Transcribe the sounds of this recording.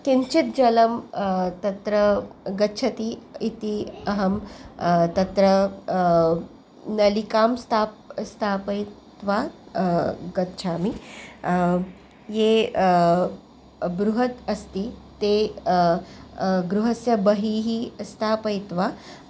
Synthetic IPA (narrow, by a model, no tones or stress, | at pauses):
kint͡ʃit̪̚d͡ʒɐlɐmt̪ɐt̪ɾɐɡɐtːt͡ʃʰɐt̪iit̪iɐɦɐm | t̪ɐt̪ɾɐ | nɐlikaːmst̪ʰaːpst̪ʰaːpɐjtt̪ʋa | ɡɐt̪ːt͡ʃʰaːmi | je | bɾuɦɐt̪ɐst̪it̪e | ɡɾuɦɐsjɐbɐɦiɦist̪ʰaːpɐjt̪ʋa